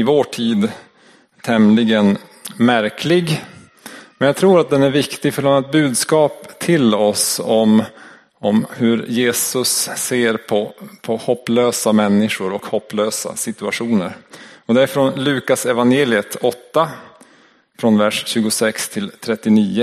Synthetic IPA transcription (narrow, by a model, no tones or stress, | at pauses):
ɪvoːʈʰiːd̪ | t̪ʰɛmlɪɡən | mæɾkʰlɪɡ | mɛnjɑɡ̚t̪ʰɾuːɾat̪̚d̪ɛnæɾvɪkt̪ɪɡfœɖamɛt̪̚bʉ̟ːd̪skɑːpt̪ʰɪlɔsɔm | ɔmhɵɾjeːsɵsːeːɾpʰɔpʰɔhɔpːløːsamɛnːɪʂʊɾɔkhɔpːløːsa̰sɪt̪ɵaɧuːnəɾɔd̪ɛæɾfɾɔnlʉ̟ːkasɛvanjeːlɪət̪ɔt̪ːa | fɾɔnvæʂɕʉ̟ːɡʊsɛkst̪ʰɪlt̪ʰɾɛt̪ːɪniːə